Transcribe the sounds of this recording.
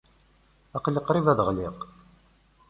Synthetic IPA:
ɑqləqɾivæðəʁliq

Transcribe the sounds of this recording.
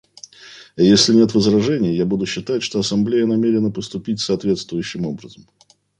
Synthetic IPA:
jesʲlʲɪnʲe̞t̪vəzɾɐʐɛnʲɪjəjabud̪ʊɕːɪt̪atʲʂt̪o̞ɐsɐmblʲejənɐmʲeɾʲɪnəpəst̪ʊpʲitʲsəːt̪vʲe̞t̪st̪vʊjʉɕːɪmo̞bɾəzəm

